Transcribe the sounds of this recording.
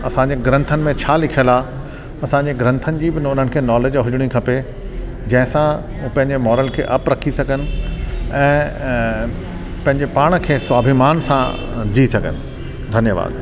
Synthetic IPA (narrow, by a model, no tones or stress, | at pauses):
ɐsãːɲ̆d͡ʑeɡɾə̃nt̪ʰənɪ̆mẽt͡ɕʰaːlɪkʰijəlaː | ɐsãɲd͡ʑeɡɾɐ̃nt̪ʰənɪ̆d͡ʑiːbɪnʊn̤ənɪ̆kʰeːnɔːleːd͡ʑɦʊd͡ʑɪɽ̃ikʰɐpe | d͡ʑɐ̃ɦɪ̃sã | upɐ̃ɦɪ̃ɲd͡ʑemɔːɾəlkʰḛːʔɐpɾɐkʰisɐɡʱənɪ̆ɛ̃ː | pɐ̃ɦɪ̃ɲd͡ʑepaːɽ̃kʰeːsʊaːbʱimaːnsã | d͡ʑiːsɐɡʱənɪ̆ | d̪ʱɐnjəʋa̰ːd̪